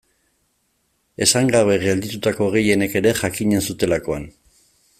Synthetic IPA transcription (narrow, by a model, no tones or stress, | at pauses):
e̞saŋɡaβe̞ɣe̞ld̪it̪ut̪ako̞ɣ̞e̞je̞ne̞ke̞ɾe̞ʝakiɲe̞nsut̪e̞lako̞an